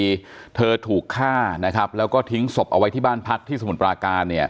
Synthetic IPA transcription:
t̪ʰɤː˧t̪ʰuː˨˩kʰːaː˥˩na˦˥kʰɾa˦˥p̚lɛː˦˥wkɔː˥˩t̪ʰi˦˥ŋso˨˩p̚ʔa˧wa˦˥jt̪ʰiː˥˩baː˥˩npʰa˦˥k̚t̪ʰiː˥˩sa˧mu˨˩˦npɾaː˧kaː˧nːi˥˩ɐ

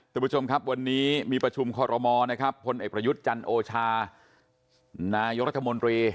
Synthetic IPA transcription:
t̪ʰɯ˨˩bt͡ɕʰo˧mkʰa˦˥p̚wa˧nːiː˦˥miː˧pɾa˧t͡ɕʰu˧mkʰɔː˧ɾɔ˧mɔː˧na˦˥kʰa˦˥pʰːo˧nʔeː˨˩pɾa˧ju˦˥t̪̚t͡ɕa˧nʔoː˧t͡ɕʰaː˧ | naː˧jo˦˥k̚ɾa˦˥t̪ʰːa˧mo˧nt̪ɾiː˧

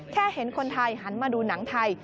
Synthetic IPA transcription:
kʰɛː˥˩he˩˦nkʰo˧nt̪ʰa˧jɦa˩˦nmaː˧duː˧na˩˦ŋt̪ʰa˧j

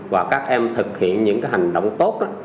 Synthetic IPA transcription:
vaː˨˩kaː˦˥k̚ʔɛ˧mt̪ʰɨ˨˩k̚hḭ˧˨ənɲɨ̰˧˥ŋkaː˨˦jɦa˨˩jŋ̟ɗo̰˧˨wŋ͡mt̪o˦˥t̚ʔa˨˦

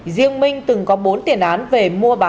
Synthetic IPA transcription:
zi˧əŋmï˧ŋ̟t̪ɨ˨˩ŋkɔ˨˦ɓo˨˦nt̪i˧˩ənʔaː˨˦nve˨˩mu˧əɓaː˨˦

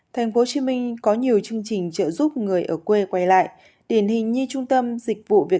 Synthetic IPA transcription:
t̪ʰɛ˨˩jŋ̟fo˨˦t͡ɕi˨˦mï˧ŋ̟kɔ˨˦ɲi˨˩əwt͡ɕɨ˧əŋt͡ɕï˨˩ŋ̟t͡ɕə̰ː˧˨zu˦˥p̚ŋɨ˨˩əjʔəː˧˩kwe˧kwa˧jla̰ː˧˨j | ɗi˧˩ənhï˨˩ŋ̟ɲɨ˧t͡ɕʊ˧ŋ͡mt̪ə˧mzï˨˩k̟̚vṵ˧˨vi˨˩ə

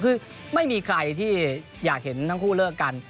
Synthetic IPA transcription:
kʰɯː˧ | ma˥˩jmiː˧kʰɾa˧jt̪ʰiː˥˩ | jaː˨˩k̚he˩˦nt̪ʰaː˥˩ŋkʰuː˥˩lɯ˥˩əkka˧n

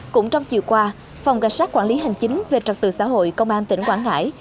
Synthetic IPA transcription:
kʊ̰˧˥ŋ͡mt͡ɕɔ˧wŋ͡mt͡ɕḭ˧˨əwkwaː˧ | fɔ˨˩wŋ͡mka˨˩jsaː˦˥t̚kwaː˧˥˩li˨˦ɦa˨˩jŋ̟t͡ɕï˨˦ŋ̟ve˨˩t͡ɕə˨˩k̚t̪ɨ̰˧˨˩sa̰ː˧˥ɦo̰˧˨jkə˧wŋ͡mʔaː˧nt̪ï˧˩ŋ̟kwaː˧˩nŋa̰ː˧˥j

